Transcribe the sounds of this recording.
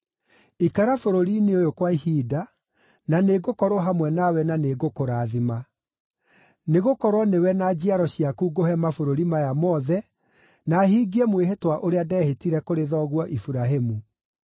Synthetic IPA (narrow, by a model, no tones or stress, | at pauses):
ikaɾafoɾoɾineojokwaihiːda | naneɡokɔɾɔɦamwɛnawɛnaneɡokoɾaðima | neɣokɔɾwɔnewɛnad͡ʑiaɾɔɕiakuːɡoɦɛmafoɾoɾimajamɔðɛ | naɦiːɡiɛmweɦetwaʔoɾeadɛːhetiɾɛkoɾeðɔɣwɔʔifuɾaɦemu